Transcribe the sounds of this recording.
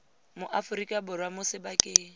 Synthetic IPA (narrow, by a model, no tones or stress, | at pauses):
mʊʔafʊɾikʼabʊrwamʊsɪbakʼeː